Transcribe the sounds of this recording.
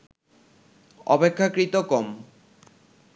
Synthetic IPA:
ɔpekʰːakɾit̪okɔm

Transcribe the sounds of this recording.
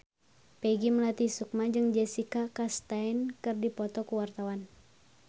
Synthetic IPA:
pɛɡiməlat̪isuk̚mad͡ʒɨŋd͡ʒɛsikakast̪ainkɨrdipɔt̪ɔkuwart̪awan

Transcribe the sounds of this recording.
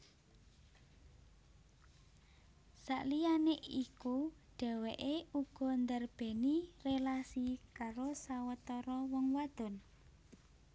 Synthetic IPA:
sa̰ʔlijaneʔikuɖ̥ɛ̤weʔeuɡ̥ɔ̤nd̪ərb̥e̤nirelasikaɾosawət̪ɔɾɔwɔŋwad̪̥ɔ̤n

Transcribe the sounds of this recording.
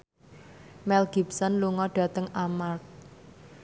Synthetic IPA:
mɛlɡ̥ipsɔnluŋɔɖ̥a̤t̪əŋamark̚

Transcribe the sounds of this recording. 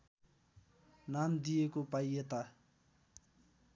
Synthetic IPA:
namd̪ijekopajet̪a

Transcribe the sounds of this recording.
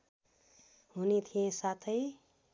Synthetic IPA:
ɦunit̪ʰijẽsat̪ʰəj

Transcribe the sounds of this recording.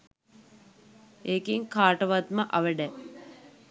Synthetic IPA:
eːkiŋkaːʈəʋat̪məʔɐʋəɖæ

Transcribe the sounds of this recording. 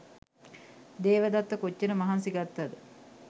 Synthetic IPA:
d̪eːʋəd̪at̪ːəkot͡ʃːənəmɐɦansiɡat̪ːad̪ə

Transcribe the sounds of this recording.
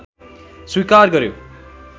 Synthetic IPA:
swikarɡʌɾjo

